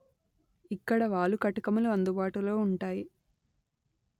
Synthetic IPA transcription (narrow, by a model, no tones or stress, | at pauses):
ikːɐɽɐʋaːɭukɐʈɐkɐmuluɐnd̪ubaːʈulo̞ːuɳʈaːji